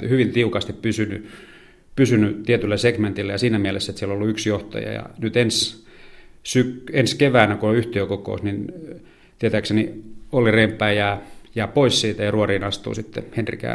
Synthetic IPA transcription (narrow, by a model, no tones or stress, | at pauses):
hyʋint̪iukɑst̪ippysyny̰ | pysynyt̪iet̪ylːæseɡment̪ilːæjɑsiːnæmielesːet̪sieloolːuyksjoht̪ɑ̰jɑ̰jɑ̰nyt̪ens | sykenskeʋæːnækuoyht̪eøkoko̰ˑusnin | t̪iet̪æːkseniolːirempːˑæːjæːjæːpoissiːt̪æjɑruoriːnɑst̪ṵːsit̪ːḛhenrḭkæ̰ː